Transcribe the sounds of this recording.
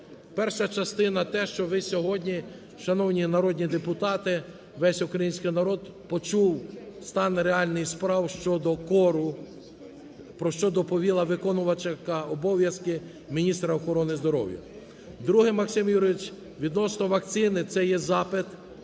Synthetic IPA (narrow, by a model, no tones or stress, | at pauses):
pɛrʃɐt͡ʃɐst̪ɪnɐt̪ɛʃt͡ʃɔʋɪsʲɔɦɔdʲnʲi | ʃɐnɔwnʲinɐɾɔd̪ʲnʲid̪epʊt̪ɑt̪ɪ | ʋɛsʲʊkɾɐjinʲsʲkɪjnɐɾɔd̪ | pɔt͡ʃuwst̪ɑnɾeɑlʲnɪxspɾɑwʃt͡ʃɔd̪ɔkɔɾʊ | pɾɔʃt͡ʃɔd̪ɔpɔʋʲilˠɐʋɪkɔnʊʋɐt͡ʃekɐɔbɔʋʲjɐskɪ | mʲinʲist̪ɾɐɔxɔɾɔnɪzd̪ɔɾɔ̰wjɐ̰ | d̪ɾuɦɪmɐksʲɪmjuɾʋɪt͡ʃ | ʋʲid̪nɔsnɔʋɐk̪̚sʲɪnɪt̪sɛjɛzɑpɪt̪